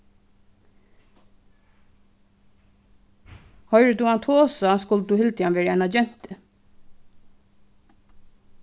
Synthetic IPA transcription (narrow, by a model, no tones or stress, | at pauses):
hɔʏɾət̪uːant̪ʰoːsaskʊlt̪uːhɪlt̪janʋeːɾəɛɪnad͡ʒɛn̥t̪ɪ